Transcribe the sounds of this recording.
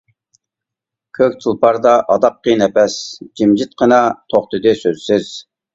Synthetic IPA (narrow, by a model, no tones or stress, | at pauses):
kʲʰøkʲt̪ʰulˠpɑɾd̪ɑʔɑd̪ɑqːinɛpɛsd͡ʒimd͡ʒɪt̪̚qʰənɑt̪ʰoχt̪ɨd̪ɨsøzsɪz̥